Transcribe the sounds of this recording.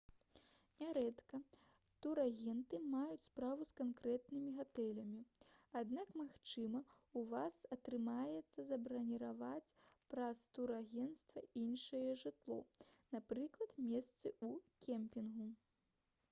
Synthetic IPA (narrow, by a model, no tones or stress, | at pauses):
nʲaɾɛt̪kɐ | t̪uɾaɣʲɛnt̪ɨmajut͡sʲspɾavuskankɾɛt̪nɨmʲiɣat̪ɛlʲɐmʲiad̪nakmaxt͡ʂɨmɐ | uvasɐt̪ɾɨmajɛt̪sːɐzɐbɾɐnʲiɾavat͡sʲpɾɐst̪uɾaɣʲɛnt̪st̪vɐinʂɐjɛʐɨt̪lˠɔ̰napɾɨklˠɐt̪mʲɛst̪sɨukʲɛmpʲinɣu